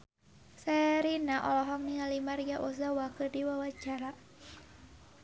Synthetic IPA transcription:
sɛɾinaʔɔlɔɦɔŋniŋalimaɾiɡaʔɔs̬awakərdiwawat͡ʃaɾa

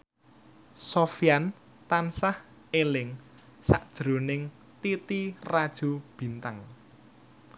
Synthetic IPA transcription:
sofjan | t̪ansah | elɪŋ | sa̰ʔd̥ʒ̥ɾo̤nɪŋ | t̪it̪irad̥ʒ̥ṳb̥i̤nt̪aŋ

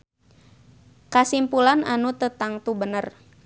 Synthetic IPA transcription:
kasimpulananut̪ət̪aŋt̪ubənər

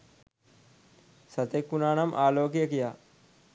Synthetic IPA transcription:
sɐt̪ekːunaːnɐmʔaːloːkjɐkijaː

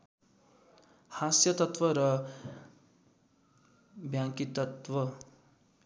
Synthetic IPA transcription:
hasjʌt̪ʌt̪wʌɾʌ | bjaŋkit̪ʌt̪wʌ

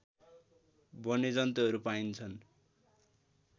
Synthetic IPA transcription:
bʌned͡zʌnt̪oɦʌɾupaint͡sʰʌn

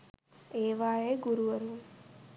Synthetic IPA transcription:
eːʋaːjeːɡuɾuʋɐɾum

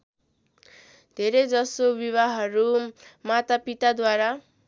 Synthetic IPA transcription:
d̪ʱeɾed͡zʌsobiβaɦʌɾumat̪apit̪ad̪waɾa

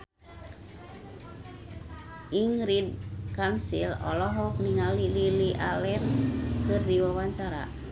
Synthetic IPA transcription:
ʔiŋɾid̚kamsilɔ̰lɔɦɔk̚niŋalililiʔalɛrkɨrdiwawaɲt͡ʃaɾa̰

